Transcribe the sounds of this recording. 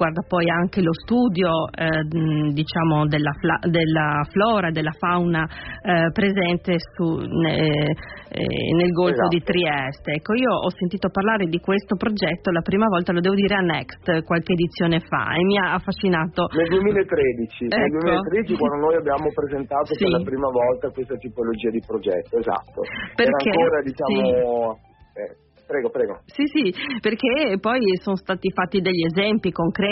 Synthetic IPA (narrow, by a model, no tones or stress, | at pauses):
ɡward̪apɔjaŋk̟elost̪uːd̪jo | d̪it͡ʃaːmod̪elːaflad̪elːaflɔːɾad̪elːafawnapɾezɛnt̪esunḛ | nelɡolfod̪it̪ɾiɛst̪eɛkːoiːoʔɔsːent̪iːt̪oparlaːɾed̪ikwest̪opɾod͡ʒɛt̪ːolapɾiːmavɔlt̪alod̪ɛːvod̪iːɾeanːɛkst̪kwalkeːd̪it̪sːjoːnefa̰ḛmːiaaːfːaʃːinaːt̪oneld̪uemilaet̪ːɾeːd̪it͡ʃinɛneld̪ueiolet̪ːɾed̪it͡ʃikwand̪onoːjabjaːmopɾezent̪aːt̪opseɾlapɾiːmavɔlt̪akwest̪at̪ipolod͡ʒiːad̪ipɾod͡ʒɛ̰t̪ːoeza̰t̪ːo̰perɾakːaŋekoːɾad̪it͡ʃaːmio | ɛ | pɾɛːɡopɾɛːɡosisiperk̟epɔjsonost̪aːt̪ifat̪ːid̪eʎːiezɛmpikoŋkɾɛ